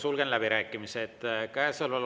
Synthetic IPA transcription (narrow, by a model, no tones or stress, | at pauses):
sulɡ̥enlæb̥iɾæːkːˑimiset̪ːkæesɤlvɑl